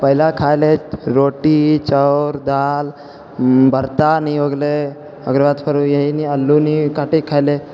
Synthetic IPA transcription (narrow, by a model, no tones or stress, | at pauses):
pəɦilakʰajleɾoʈit͡ʃəɾd̪al | bʱəɾt̪anioɡle | əɡɾəʋat̪pʰəɾujəɦiniəlːunikaʈikʰajle